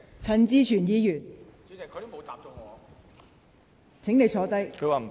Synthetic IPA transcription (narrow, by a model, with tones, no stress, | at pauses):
t͡sʰɐ˨˩nt͡siː˧t͡ʃʰyː˨˩njiː˨˧jyː˨˩n˧˨˧ | t͡sʰɪ˨˥ŋne˨˧jt͡sʰɔː˨˥t̪ɐ˥jkʰɵ˨˧waː˨